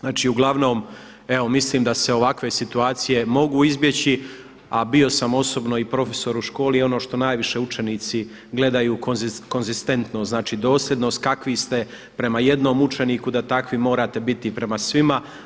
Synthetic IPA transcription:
znaːt͡ʃiːuɡlˠaʋno̞ːm | e̞ʋo̞misliːmd̪ase̞o̞ʋakʋe̞sit̪uaːt̪sije̞mo̞ɡuːizbje̞t͡ɕi | abio̞samo̞so̞bno̞ipɾo̞feso̞ɾuʃko̞ːlio̞no̞ːʃt̪o̞naːjʋiʃe̞ut͡ʃe̞niːt̪si | ɡle̞d̪ajuːkozko̞nzist̪e̞nt̪noznaːt͡ʃiːd̪o̞ːslje̞d̪nost̪̚kakʋist̪e̞ | pɾe̞maje̞d̪no̞ːmut͡ʃe̞niːkud̪at̪akʋimo̞ːɾat̪e̞bit̪ipɾe̞masʋima

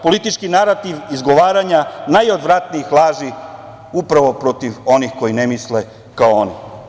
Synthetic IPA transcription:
po̞lit̪it͡ʃkinaɾat̪iʋizɡo̞ʋaːɾaɲanajo̞d̪ʋɾat̪niixlˠaːʒi | upɾaʋo̞pɾo̞t̪iʋo̞nixko̞jinemisle | kaooni

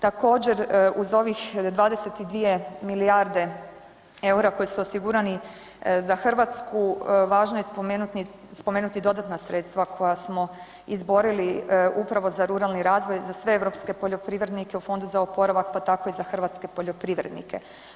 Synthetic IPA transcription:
t̪ako̞ːd͡ʑe̞ɾuzo̞ʋixd̪ʋaːd̪ese̞t̪id̪ʋije̞miliaɾd̪e̞ | e̞uɾako̞jisuosiɡuɾani | zaxr̩ʋat̪skuʋaːʒnojeomenut̪ni | spomeːnut̪id̪o̞d̪at̪nasɾe̞t̪st̪ʋakʰo̞jasmo̞ | izbo̞ɾiliupɾaʋo̞zaɾuɾalˠniɾaːzʋo̞jzasʋe̞eʋɾo̞pske̞poʎo̞pɾiʋɾe̞d̪nike̞ufo̞nd̪uzaopo̞ɾaʋak̚pat̪ako̞izaxrʋat̪ske̞po̞ʎo̞pɾiʋɾed̪nḭkʰe̞̰

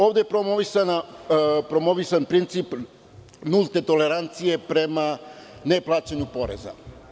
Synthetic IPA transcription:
o̞ːʋd̪epɾomoʋisanapɾo̞mo̞ʋisanpɾint̪sip | nulˠt̪et̪o̞le̞ɾant̪sije̞pɾe̞mane̞plˠaːt͡ɕeɲupo̞ɾḛza̰

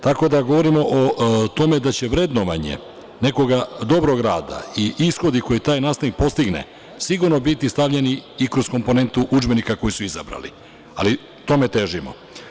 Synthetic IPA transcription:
t̪ako̞d̪aɡo̞ʋo̞ɾimo̞ʔot̪o̞me̞d̪at͡ɕe̞ʋɾe̞d̪noʋaɲḛ | ne̞ko̞ɡad̪o̞bɾo̞ɡɾaːd̪a̰iʔisxo̞d̪iko̞jit̪aːjnaːst̪anik̚po̞st̪iɡne̞̰ | siɡuɾno̞bit̪ist̪aʋʎe̞niikɾo̞zko̞mpone̞nt̪uʔud͡ʒbe̞nikako̞jisuiza̰bɾa̰lḭ | a̰li | t̪o̞me̞t̪e̞ʒimo̞̰

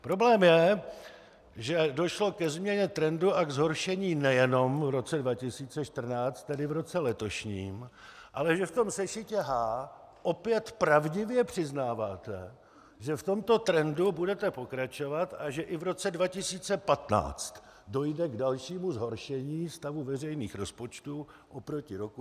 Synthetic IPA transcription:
pɾo̞blɛːmjɛ | ʒɛdo̞ʃlo̞kɛzmɲɛɲɛt̪ɾɛnduʔaɡzɦo̞ɾʃɛɲiːnɛjɛno̞mvɾo̞t͡sɛdvacɪsiːt͡sɛʃt̪r̩naːt͡st̪ːɛdɪvɾo̞t͡sɛlɛt̪o̞ʃɲḭːm | ʔalɛʒɛft̪o̞msɛʃɪcɛɦaː | ʔo̞pjɛt̪pɾavɟɪvjɛpr̝̥ɪznaːvaːt̪ɛ | ʒɛft̪o̞mt̪o̞t̪ɾɛndubudɛt̪ɛpo̞kɾat͡ʃo̞vat̪ʔaʒɛʔɪvɾo̞t͡sɛdvacɪsiːt͡sɛpat̪na̰ːt͡st̪ | do̞jdɛɡdalʃiːmuzɦo̞ɾʃɛɲiːst̪avuvɛrɛjniːxɾo̞spo̞t͡ʃt̪uʔopɾo̞cɪɾo̞ku

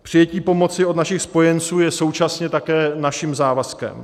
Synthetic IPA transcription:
pr̝̥ɪjɛciːpo̞mo̞t͡sɪo̞d̪naʃɪxspo̞jɛnt͡suːjɛso̞wt͡ʃasɲɛt̪akɛːnaʃɪmzaːvaskɛ̰m

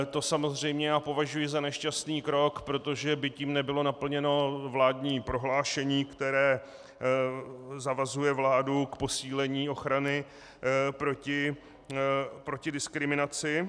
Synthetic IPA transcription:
t̪o̞samo̞zr̝ɛjmɲɛjaːpo̞vaʒujɪzanɛʃcast̪niːkɾo̞kpɾo̞t̪o̞ʒɛbɪciːmnɛbɪlo̞napl̩ɲɛno̞vlaːdɲiːpɾo̞ɦlaːʃɛɲiːkt̪ɛɾɛː | zavazujɛvlaːdukpo̞siːlɛɲiːo̞xɾanɪ | pɾocɪ | pɾo̞cɪdɪskɾɪmɪnat͡sɪ

